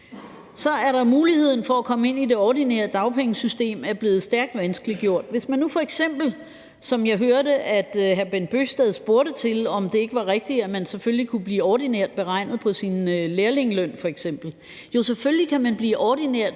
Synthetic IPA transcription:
sɒ̽æɐɾɑ̈muːlihe̝ð̞̰ˠn̩fɒ̽ækʰɒ̽məe̝n̰id̥e̝ɒːd̥inḛɐð̩ˠd̥ɑ̈ʊpʰeŋəsysd̥e̝̰ːmæɐb̥le̝ːð̩ˠsd̥æɐɡ̥̚d̥ʋænsɡ̥əliɡ̥jo̝ɐ̰d̥ʋe̝smænːufɒ̽eɡ̥sem̰b̥l̩ | sɒ̽mjɑ̈ɪɦøɐɾəʔæd̥hæɐb̥en̚b̥øːsd̥ɛðˠsb̥o̝ːɐɾət͡sʰe̝lɒ̽md̥e̝e̝ɡ̥əʋɑ̈ʁeɡ̥̚d̥iæmænseføllikʰub̥liːɒd̥ineɐ̰d̥̚b̥e̝ʁɑ̈ɪ̰nð̩ˠpʰɒ̽sinleːɐle̝ŋəlœn̰fɒ̽eɡ̥sem̰b̥l̩ | jo̝seføllikʰæmænb̥liːʔɒd̥ineɐ̰d̥

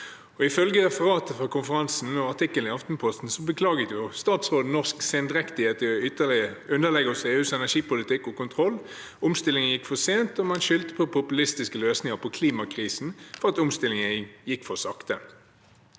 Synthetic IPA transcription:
ɔɪfœlɡəʁɛfəʁɑːt̪əfʁɔkʰʊnfəʁɑnsn̩ɔɑʁt̪ɪkːəlnɪɑft̪n̩pʰɔst̪n̩sɔbəkʰlɑːɡət̪jʊst̪ɑːt̪sʁoːd̪ənɔʁskseːnd̪ʁɛkt̪ɪet̪əʏt̪ːəlɪəʉnd̪əlɛɡəseːʉːsɛnæʂiːpʊlɪt̪ɪkːɔkʊnt̪ʰʁɔlː | ʊmst̪ɪlɪŋənjɪkːfɔseːnt̪ɔmɑnʃʏlt̪ə̥pʰɔpʰʊpʉlɪst̪ɪskəløːsnɪŋəʁpʰɔkʰliːmɑkʰʁiːsn̩fɔʁɑt̪ʊmst̪ɪlɪŋəjɪkːfɔsɑkt̪ən

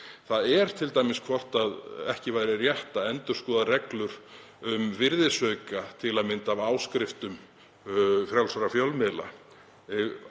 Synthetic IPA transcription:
θaðɛɾ̥t̪ʰɪlt̪ajmɪskʰvɔr̥t̪aðɛhcɪvaːjɾɪrjɛht̪aɛnt̪ʏ̥skɔːðarɛklʏɾ | ʏmvɪɾðɪsœːɥkat̪ʰɪlaðmɪnt̪avaːwskɾɪft̪ʏm | fɾjawlsaɾafjœwlmɪːla̰

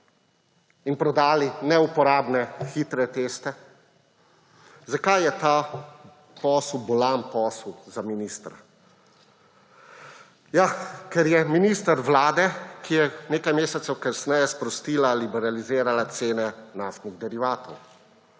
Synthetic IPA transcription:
inpɾɔd̪aːlinɛupɔɾaːbnɛxit̪ɾɛt̪eːst̪ɛ | zakajjɛt̪a | pɔːswbɔlampɔːswzaminiːst̪ɾa̰ | jakɛɾjɛminiːst̪aɾʋlaːd̪ɛkijɛneːkajmeːsɛt̪sɛwkasnɛjɛspɾɔst̪iːlalibɛɾalizeːɾalat̪seːnɛnaːst̪niɣd̪ɛɾiʋaːt̪ɔw

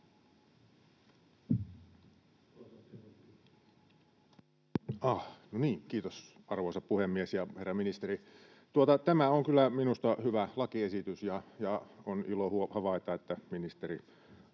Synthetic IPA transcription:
ɑhnoniːŋkiːt̪os | ɑrʋoˑisɑppuhemːiesjɑherːɑminist̪eri | t̪uot̪ɑt̪æmæoŋkylˑːæminust̪ɑhyʋælɑkiesit̪ysjɑjɑonilohuhɑʋɑit̪ɑet̪ːæminist̪eri

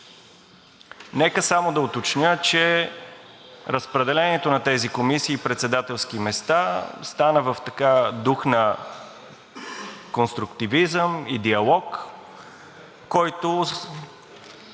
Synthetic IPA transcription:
nɛkəsamod̪ɐot̪ot͡ʃnʲət͡ʃɛ | ɾəspɾɛd̪ɛlɛniɛt̪onɐt̪ɛzikomisiːpɾɛt̪sɛd̪at̪ɛlˠskimɛst̪ast̪anəvəft̪ɐkad̪uxnɐ | konst̪ɾʊkt̪ivizəmid̪iɐlˠɔk | ɔjt̪o

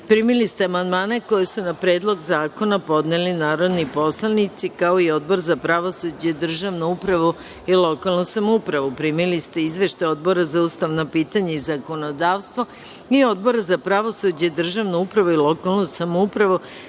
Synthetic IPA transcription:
pɾiːmilist̪eamand̪maːne̞ko̞jesunapɾe̞ːd̪lˠo̞ɡzaːko̞napo̞d̪nelinaːɾo̞d̪nipo̞slˠanit̪sikao̞io̞d̪̚bo̞ɾzapɾaʋo̞sud͡ʑeid̪r̩ʒaʋnoupɾaʋu | ilˠo̞kalˠnusamoupɾaʋupɾimilist̪e̞izʋeʃt̪ajo̞d̪̚bo̞ɾazauːst̪aʋnopiːt̪aɲeizako̞no̞d̪aːʋst̪ʋo̞ | io̞d̪bo̞ɾazapɾaʋo̞sud͡ʑeid̪r̩ʒaʋnoupɾaʋuilˠo̞kalˠnusamoupɾaʋu

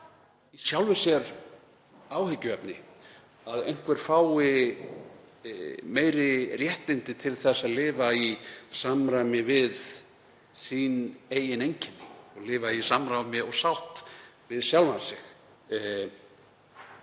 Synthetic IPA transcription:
isjawlvɪsjɛɾ | aːwhɪcːʏɛpnɪ | aðḛjŋ̥kvɛɾ̥faːwɪ | meːjɾɪrjɛht̪lɪnt̪ɪt̪ʰɪlθɛsaðlɪːvaisamɾawmɪvɪð | sineːjɪnejɲcɪnɪɔɣlɪːvaisamɾawmɪɔɣsawht̪ | vɪðsjawlvasɪx

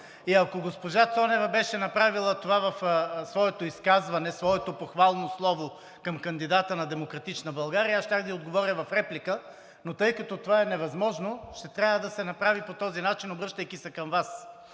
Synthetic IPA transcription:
iɐkoɡospoʒat̪sɔnɛvɐbɛʃɛnɐpɾavilˠət̪ovavɐfsvɔɛt̪oiskazvɐnɛsvɔɛt̪opoxvalˠnoslˠɔvo | kɐmkɐnd̪id̪at̪ənɐd̪ɛmokɾɐt̪it͡ʃnəbɐlˠɡaɾiəasʃt̪ʲakd̪ɐiod̪ɡovɔɾjəvɐfɾɛplikə | not̪ɤjkɐt̪ɔt̪ovaɛnɛvɐzmɔʒnoʃt̪ɛt̪ɾʲjavəd̪ɐsɛnɐpɾavipot̪ɔzinat͡ʃinobɾɤʃt̪əjkʲisɛkɐmvas

